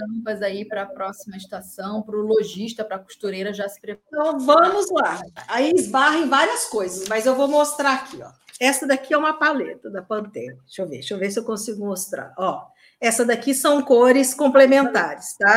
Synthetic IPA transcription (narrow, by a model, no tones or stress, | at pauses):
t̪ɐ̃pɐzaipɾɐpɾɔsimɐd͡ʒit̪asɐ̃w̃pɾʊloʒiʃt̪ɐpɾɐku̥st̪uɾejɾɐʒasɪ̥pɾep̪ɐ̃vɐ̃mʊzaaiɪzbaɦẽj̃vaɾiɐskojzɐsmɐzewvowmost̪ɾaakʰiɔ̰ɛsɐd̪akiɛũmɐpalet̪ɐd̪ɐpɐ̃nt̪ɛ̰̃ɲɐʃowvḛʃowvesɪewkõsiɡʊmost̪ɾa̰ɾɔ | ɛsɐd̪akisɐ̃w̃koɾɪskõmplemẽnt̪aɾɪst̪a